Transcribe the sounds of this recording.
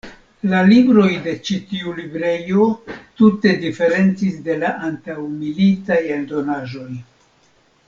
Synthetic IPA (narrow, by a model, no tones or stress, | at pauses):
lalibɾo̞jde̞t͡ʃitiulibɾe̞jo̞tute̞dife̞ɾe̞nt͡sisde̞laʔantawmilitajeldo̞naʒo̞j